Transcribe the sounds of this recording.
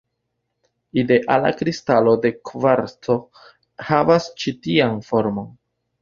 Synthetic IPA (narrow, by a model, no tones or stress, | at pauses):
ide̞ʔala̰kɾistalo̞de̞kvaɾto̞ | havast͡ʃitianfo̞ɾmo̞n